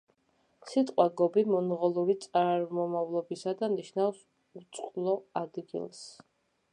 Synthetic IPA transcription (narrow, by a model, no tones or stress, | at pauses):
sit̪ʼqʼwaɡɔbimɔnʁɔlˠuɾit̪sʼaɾaɾmɔmavlˠɔbisad̪aniʃnafs | ut̪sʼqʼlˠɔad̪ɡḭlˠs